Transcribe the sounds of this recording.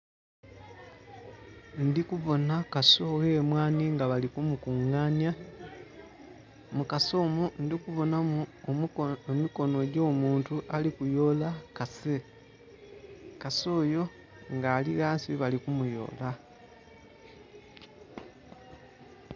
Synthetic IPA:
ndikuβo̞nakaso̞ɣeːmwaːniŋɡaβalikumukuŋːaːnja | mukaso̞mundikuβo̞namu | emiko̞no̞eɟo̞ːmuːntuʔalikujo̞ːlakase | kaso̞ːjo̞ | ŋɡaːliɣaːnsiβalikumujo̞̰ːla

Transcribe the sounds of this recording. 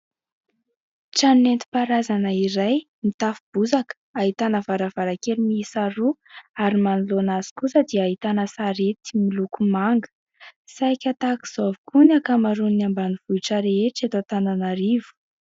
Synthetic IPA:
ʈ͡ʂannent̪i̥paɾazanəiɾaj | mit̪afub̥uzak | aɦit̪anəvaɾavaɾakelimiisaɾuaɾimanulonaz̥i̥kusəd̪iaaɦit̪anəsaɾet̪i̥milukumaŋɡə̥ | sajkʲat̪aki̥z̥ovukunakamaɾuniambaniv̥uiʈ͡ʂəɾeeʈ͡ʂet̪ot̪ananaɾivu̥

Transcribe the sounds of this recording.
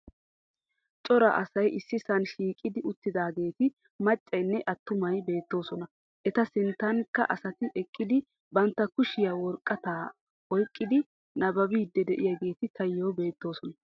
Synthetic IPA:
t͡ʃʼɔɾɐ̰ʔɐsɐjʔɪsːɪsɐnʃiːkʼɪd̪ɪʊt̪ːɪd̪aːɡe̞ːt̪ɪ | mɐt͡ʃʼːɐjnːɛʔɐt̪ːʊmɐjbe̞ːt̪ːo̞ːsɔnɐ | ʔɛt̪ɐsɪnt̪ːɐŋkːɐ̰ʔɐsɐt̪ɪʔɛkʼːɪd̪ɪ | bɐnt̪ːɐkʊʃɪjawɔɾkʼːɐt̪aː | ɔjkʼːɪd̪ɪ | nɐbɐbiːd̪ːɛd̪ɛʔɪjɐɡe̞ːt̪ɪt̪ʰɐjːoːbe̞ːt̪ːo̞ːsɔnɐ

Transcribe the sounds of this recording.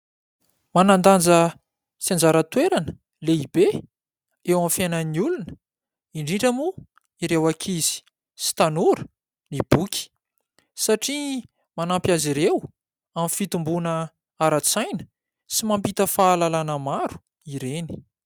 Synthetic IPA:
manand̪and͡zə | siand͡zaɾət̪weɾanə̥ | leibe | ewamfenəniulunə | iɳɖ͡ʐiɳʈ͡ʂəmu | iɾewakʰiz̥i̥ | si̥t̪anuɾə̥ | nib̥ukʲi̥ | saʈ͡ʂi | manampjaziɾew | amfit̪umbunə | aɾat͡sajnə̥ | simampit̪əfaːlalanəmaɾu̥ | iɾeni̥

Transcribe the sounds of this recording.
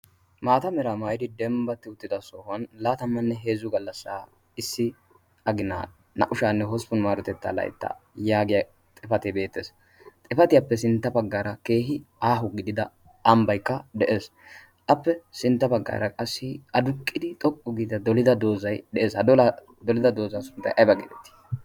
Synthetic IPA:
maːt̪ɐmɛɾamaːjɪd̪ɪd̪ɛmbɐt̪ːɪʊt̪ːɪd̪ɐsɔːhɐnlaːt̪ɐmːɐnːɛɦe̞ːzʊɡɐlːɐsːaː | ɪsːɪ | ɐɡɪna̰ː | nɐ̰ʔʊʃaːnːɛɦɔspɔnmaːɾɔt̪ɛt̪ːɐ̰lɐ̰j̰t̪ːɐ̰jaːɡɪjɐ | t̪ʼɪfɐt̪ebe̞ːt̪ːeːs | t̪ʼɪfɐt̪ɪjapːɛsɪnt̪ːɐbɐɡːaːɾɐke̞ːɦɪaːɦʊɡɪd̪ɪd̪ɐ | ɐmbɐjkːɐd̪ɛʔe̞ːs | ʔɐpːɛsɪnt̪ːɐbɐɡːa̰ːɾɐkʼɐsːɪɐd̪ʊkʼːɪd̪ɪt̪ʼɔkʼːʊɡɪd̪d̪ɐd̪ɔlɪd̪ɐd̪o̞ːzɐjd̪ɛʔeːshɐd̪ɔlɐ | d̪ɔlɪd̪ɐd̪o̞ːzɐnsʊnt̪ːɐ̰jʔɐjbɐɡɪd̪ɛt̪ːi̥

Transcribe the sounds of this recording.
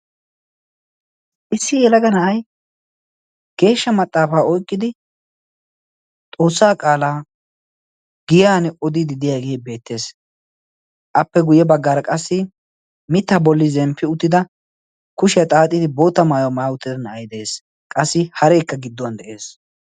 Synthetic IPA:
ʔɪsːɪjɛlɐɡɐnɐʔɐj | ɡ̥e̞ːʃːɐmɐt̪ʼːaːfaːɔjkʼːɪd̪ɪ | t̪ʼo̞ːsːaːkʼaːlaː | ɡɪjaːnɛɔd̪ɪd̪ɪd̪ɪjaːɡeːbe̞ːt̪ːe̞ːs | ʔɐpːɛɡʊjɛbɐɡːaːɾɐkʼɐsːɪ | mɪt̪ːabɔlːɪzɛmpʰːɪʊt̪ːɪd̪ɐ | kʊʃɪjɐt̪ʼaːt̪ʼːɪd̪ɪbo̞ːt̪ːɐmaːjomaːʊt̪ːɪd̪ɐnɐɐjd̪e̞ːs | kʼɐsːɪhɐɾeːkːɐɡɪd̪ːɔwɐnd̪ɛʔe̞ːs

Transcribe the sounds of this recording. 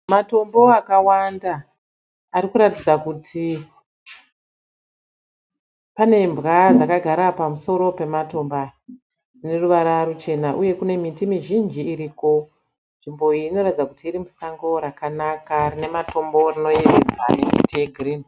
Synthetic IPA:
mato̞mbo̞akawandaː | ɾikuɾatid͡zakutʰi | pane̞mbɣad͡zakaɡʱaɾapamuso̞ɾo̞pe̞mato̞mba | d͡zine̞ruʋaɾaɾut͡ʃe̞naʔuje̞kune̞mitimiʒind͡ʒiːɾiːko̞ | nʐimbo̞iːno̞ratid͡zakutiːɾimusaŋɡo̞ɾakanakarine̞mato̞mbo̞rino̞jeʋed͡za̰ne̞̰mḭtije̞ɡʱirin

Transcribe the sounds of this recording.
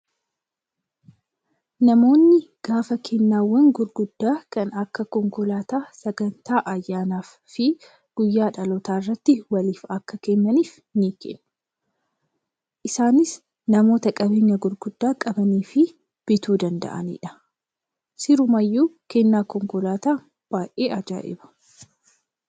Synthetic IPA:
nɐmo̞ːnːɪɡ̥aːfɐkʰeːnːaːwːɐŋɡʊɾɡʊd̪̥ːaːkɐnɐkːɐkɔŋkʊlaːt̪aːsɐɡɐnt̪aːʔɐjːaːnaːfːɪ | ɡ̥ʊjːaːᶑɐlɔt̪aːɪrːɐt̪ːɪwɐliːfɐkːɐkeːɲːɐniːf | niːkḛnːʊ̥ | ʔɪsaːnɪs | nɐmo̞ːt̪ɐkʼɐbeːɲːɐɡʊɾɡʊd̪ːaːkʼɐbɐniːfɪ | b̥ɪt̪uːd̪ɐnd̪ɐ̰ʔɐ̰nḭːᶑɐ̥ | sɪɾʊmɐjːuːkeːnːaːkɔŋkʊlaːt̪aː | b̥aːjʔeːʔɐd͡ʒa̰ːʔɪ̰bɐ̥

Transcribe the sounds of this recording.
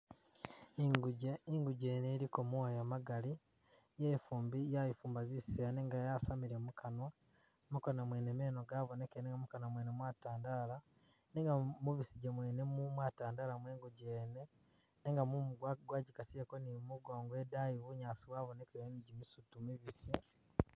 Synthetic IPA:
iŋɡuɟeneɾikomwojamaɡali | jefuːmbijajifuːmbazisejaneːŋɡajasamiɾemukanwa | mukonwamweːnemeːnoɡaβo̞nekeneŋɡamukanwamwenemwataːndala | neŋɡamuβisiɟemweːnemumwataːndalamweːŋɡuɟeːne̞ | neŋɡamumuɡwaɡwaːɟikasiekonimuɡo̞ːŋɡowedajiβuɲaːsiβwaβone̞keniɟimisutumiβisje

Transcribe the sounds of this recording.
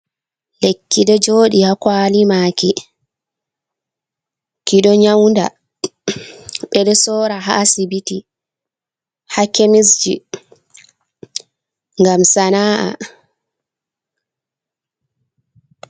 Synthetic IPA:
lekːiɗɛd͡ʒoːɗihakwaːlimaːki | kiɗɔɲawnda̰ | ɓɛɗɛsɔːɾaɦa̰ːsibiti | hakemisd͡ʒi | ŋɡamsanaːʔa̰

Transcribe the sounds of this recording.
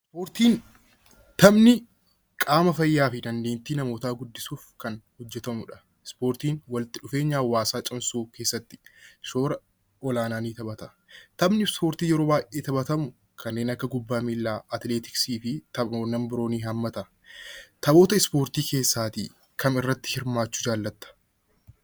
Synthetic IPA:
ɪspoːɾt̪iːn | t̪ɐbnɪ | kʼaːmɐfɐjːaːfɪnɐnːeːnt̪iːnɐmo̞ːt̪aːɡʊd̪ːɪsuːfkɐnhɔd͡ʒːɛt̪ɐmʊᶑɐ̥ | ɪspo̞ːɾt̪iːnwɐlt̪ɪᶑʊfe̞ːɲːaːwːaːsaːt͡ʃʼɪmsuːke̞ːsːɐt̪ːɪ̥soːɾɐ | ɔlaːnaːniːt̪ɐbɐt̪ɐ | t̪ɐbnɪspo̞ːɾt̪iːjɛɾo̞ːbaːjʔeːt̪ɐbɐt̪ɐmʊ | kʰɐnːe̞ːnɐkːɐɡʊbːaːmilːaːɐt̪leːt̪ɪ̥ksiːfɪt̪ɐoːnɐmbɪɾo̞ːniːɦɐmːɐt̪ɐ | t̪ɐbo̞ːt̪ɐɪspo̞ːɾt̪iːke̞ːsːaːt̪ḭ | kɐmɪrːɐt̪ːɪ̥hɪɾmaːt͡ʃːʊ̥d͡ʒaːlːɐt̪ːɐ̥

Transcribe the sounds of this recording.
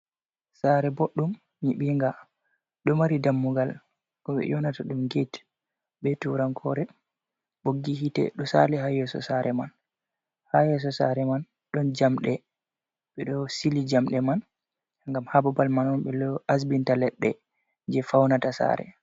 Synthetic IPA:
saɾɛboɗːum | ɲiɓiŋɡa | ɗɔmaɾidamːuɡal | kɔɓɛ̰jɔnataɗumɡit | ɓɛtuɾankʰɔɾɛ | ɓoɡːihitɛ̰ɗɔsa̰lɛhajɛsɔ̰saɾʔɛman | hajɛs̬ɔsa̰ɾɛman | ɗɔnd͡ʒamɗɛ | ɓɛɗɔsilid͡ʒamɗɛman | ŋɡamhababalmanɔnɓɛlɔas̬bintalɛɗːɛ | d͡ʒɛfawnatasa̰ɾɛ̰

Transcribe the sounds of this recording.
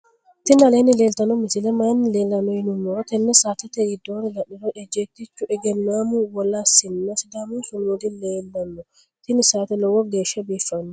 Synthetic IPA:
t̪ɪnɐleːnɪleːlt̪ɐnɔmɪsɪlɛmaːnleːlːɐnɔjɪnʊmɔt̪ɛnːɛsaːt̪ɛt̪ɛɪd̪ːoːɾɪlɐᶑɪɾɔᶑɛd͡ʒɛt̪ːɪt͡ʃːʊʔɛɡɛnːaːmuwɔlasɪnːɐsɪd̪amusʊnuːd̪ɪnːeːlbɐnːɔ | t̪ɪnɪsaːt̪ɛlɔwɔɡeːʃɐbiːfːɐnːɔ

